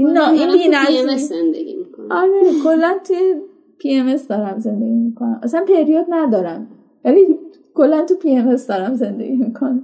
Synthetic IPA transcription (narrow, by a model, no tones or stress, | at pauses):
inːɒʔininæzzend̪eɡʲimikoɒɾekʰolːænt̪ʰuje | pʰieme̞sd̪ɒːɾæmze̞nd̪e̞ɡʲiːmikʰonæ̰mʔæsænpʰe̞ɾijɒd̪̚næd̪ɒːɾæm | væli | kʰolːænt̪ʰupʰieme̞sd̪ɒːɾæmze̞nd̪e̞̰ɡʲimikʰonæ